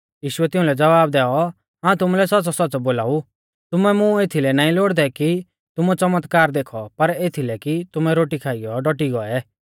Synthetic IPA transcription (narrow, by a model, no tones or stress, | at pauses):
jiːʃʊɛt̪ɪʊ̃lɛd͡zɐʋaːb̚d̪ɛːɔ | ɦãːt̪ʊmulɛsɐtːsɔsɔt͡sɔboːlaːu | t̪ʊmɛmũeːt̪ʰilɛnãːĩloːɽd̪ɛki | t̪ʊmut͡sɐmət̪kaːɾd̪eːkʰɔpɐɾeːt̪ʰilɛkit̪ʊmɛɾoːʈikʰaːɪjɔɖɔʈ̬iɡɔɛ